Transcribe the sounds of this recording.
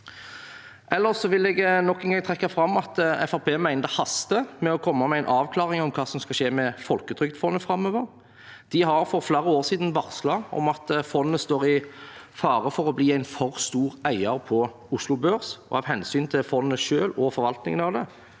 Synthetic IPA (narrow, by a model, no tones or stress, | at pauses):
ʔɛlːəʁsɔʋɪlɛɡnɔkːɛnɡɑŋt̪ʰɾɛkːɑfɾɑmːɑt̪ɛ̰fæʁpʰeːmæɪnəd̪əhɑst̪əmɛɔkʰɔmːɑmɛæɪnʔɑːʋkʰlɑːʁɪŋɔmkʰɑːsɔmskɑʃeːmɛfɔlkəd̪ʰɾʏkt̪fɔnːəfʁɑmøːʋəʁ | d̪̥ɪɦɑʁfɔʁfleːɾəoːʁsiːd̪ən̩ʋɑʁslɑɔ̰mɑt̪fɔnːəst̪oːʁɪfɑːʁəfɔʁɔbliːæɪnfɔʁst̪uːʁæɪɑɾpʰɔ | ʊslʊbøːɾsɔ̰hɑːɾhɛnsyːnt̪ʰɪlfɔnːəʃøːlɔfɔɾʋɑlt̪nɪ̰ŋənɑʋd̪ɛ